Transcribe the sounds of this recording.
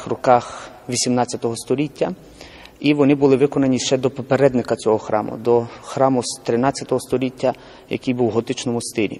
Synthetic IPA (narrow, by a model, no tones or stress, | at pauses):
xrɔkɑx | ʋʲisʲimnɑtt͡sʲɐt̪ɔɦɔst̪ɔlʲitʲːɐ | iʋɔnɪbʊlˠɪʋɪkɔnɐnʲiʃt͡ʃɛd̪ɔpɔpeɾɛd̪nɪkɐt͡sʲɔɦɔxɾɑ̰mʊ̰d̪ɔxɾɑmʊst̪ɾɪnɑt͡sʲjɐt̪ɔɦɔst̪ɔlʲitʲːɐ | jɐ̰kɪjbuwɦɔt̪ɪt͡ʃnɔmʊst̪ɪlʲḭ